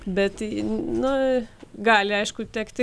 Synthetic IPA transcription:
bʲɛt̪nʊɡɑːlʲɪɐɪʃkʊt̪ʲɛkt̪ʲɪ

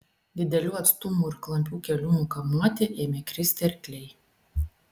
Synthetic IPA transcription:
d̪ʲɪd̪ʲɛlʲuːɐt̪st̪umuɪɾklˠɐmʲpʲuːkʲɛlʲumukɐmuɔt̪ʲeʔɛmʲɛkɾʲɪsʲt̪ʲɛɾʲkʲlʲɛj

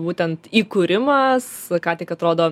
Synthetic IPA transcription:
buːt̪ʲɛnt̪iːkuɾʲɪmɐskɑːt̪ʲɪkɐt̪ɾoːd̪oː

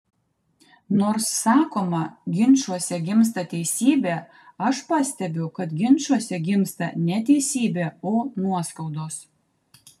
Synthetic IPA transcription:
noːɾsːɑːkoːmɐɡʲɪnʲˑt͡ʃuɔsʲɛɡʲɪms̬t̪ɐt̪ʲɛɪsʲiːbʲeː | ɐʃpɑsʲt̪ʲɛbʲɛʊkɐt̪ɡʲɪnʲˑt͡ʃuɔsʲɛɡʲɪmst̪ɐ̰nʲɛt̪ʲɛɪsʲiːbʲeːoːnuɔskɐʊd̪oːs

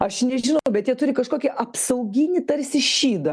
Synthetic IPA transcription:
ɐʃnʲɛʒʲɪnʊbʲɛt̪jiɛt̪ʊɾʲɪkɐʃkoːkʲɛʔɐpsɐʊɡʲinʲɪt̪ɐɾʲsʲɪʃʲiːd̪ɐ

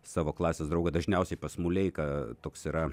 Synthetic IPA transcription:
sɑːʋoːklˠɑːsʲesd̪ɾɐʊɡɐd̪ɐʒʲnʲɛʊsʲɛɪpɐsmʊlʲɛɪkɐt̪oːksiɾɐ

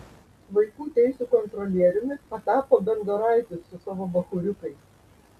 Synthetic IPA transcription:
ʋɐɪkuːt̪ʲɛɪsʲuːkɔnt̪ɾɔlʲiɛɾʲɪmʲɪpɐt̪ɑːpoːbʲɛnd̪ɐɾɑˑɪt̪ʲɪsːʊsɑːʋoːbɐxʊɾʲʊkɐɪ

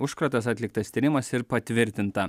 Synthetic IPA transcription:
ʊʃkɾɐt̪ɐs̬ɑt̪ʲlʲɪk̚t̪ɐst̪ʲiːɾʲɪmɐsɪɾpɐt̪ʲʋʲɪɾʲt̪ʲɪnt̪ɐ

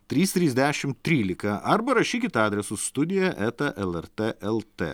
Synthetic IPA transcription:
t̪ʲɾʲiːst̪ʲɾʲiːzʲd̪ʲæːʃʲɪmt̪ʲɾʲiːlʲɪkɐʔɐɾbɐɾɐʃʲiːkʲɪt̪ɑːd̪ʲɾʲɛsʊsst̪ʊd̪ʲɪjɛʔɛt̪ɐʔɛlˠɛɾt̪eʔɛlˠt̪ḛː

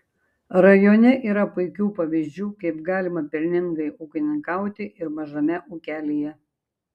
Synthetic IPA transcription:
ɾɐjoːnʲɛʔiːɾɐpʊɪkʲuːpɐʋʲizʲd͡ʒʲuːkɐɪpɡɑːlʲɪmɐpʲɪɾʲnʲɪŋɡɐɪʔʊːkʲɪnʲɪŋkɑˑʊt̪ʲɪʔɪɾmɐʒɐmʲɛʔuːkʲæːlʲeːjɛ

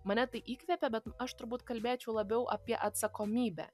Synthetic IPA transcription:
mɐnʲɛt̪ɐɪʔiːkʋʲɛpʲɛbʲɛt̪ɐʃt̪ʊɾbuːt̪kɐlʲbʲeːt͡ʃʲɛʊlˠɐbʲɛʊʔɐpʲiɛʔɐt̪sɐkoːmʲiːbʲæ̰ː

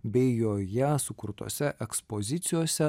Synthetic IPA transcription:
bʲɛɪjoːjɛsʊkʊɾt̪o̰ːsʲɛʔɛkspozʲɪt̪sʲɪjoːsʲɛ

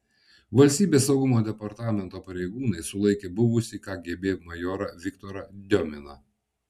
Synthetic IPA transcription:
ʋɐlʲsʲt̪ʲiːbʲeːsːɒʊɡʊmoːd̪ʲɛpɐɾt̪ɑːmʲɛnt̪oːpɐɾʲɛɪɡuːnɐɪsʊlˠɐɪkʲeːbʊʋʊsʲikɑːɡʲeːbʲeːmɐjɔːɾɐʋʲɪkt̪oːɾɐd̪ʲɔmʲɪnɐ̰

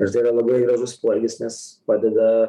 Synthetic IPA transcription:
ɐʃt̪ɐɪiɾɐlˠɐbɐɪɡɾɐʒʊspˠoɡʲɪsnʲɛspɑːd̪ʲɛd̪ɐ

